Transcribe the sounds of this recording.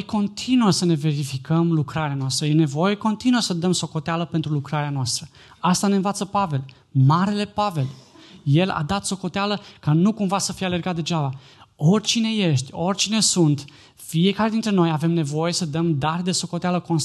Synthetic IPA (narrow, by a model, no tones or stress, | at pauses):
jko̞nt̪ʰinuəsəne̞ve̞ɾifikʰəmlukɾaɾeanoas̬t̪ɾəje̞ne̞vo̞je̞ko̞nt̪inuəsəd̪əmso̞ko̞t̪ealəpent̪ɾulukɾaɾeanoast̪ɾə | ast̪ane̞nvat̪səpave̞l | maɾe̞le̞pave̞lje̞la̰d̪at̪so̞ko̞t̪ealəkanukumvasəfijeale̞rɡat̪̚d̪e̞d͡ʒaba | o̞rʲt͡ʃine̞je̞ʃt̪ʲo̞rʲt͡ʃine̞sunt̪ | fie̞kaɾe̞d̪int̪ɾe̞no̞jave̞mne̞vo̞je̞səd̪əmd̪aɾd̪e̞so̞ko̞t̪ealəko̞ns